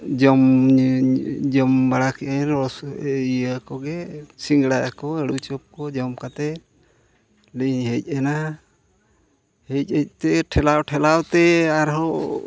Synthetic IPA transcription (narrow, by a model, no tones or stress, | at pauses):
d͡ʒɔm | d͡ʒɔmbaɽakiʔɛɾɔsiəkɔɡɛsiŋɡɽaʔakɔeɽut͡ʃɔp̚kɔd͡ʒɔmkat̪ɛ | liɲɦec̚ˀɛna | hec̚ˀec̚ˀt̪ɛʈʰɛlawʈʰɛlawt̪ɛaɾɦɔ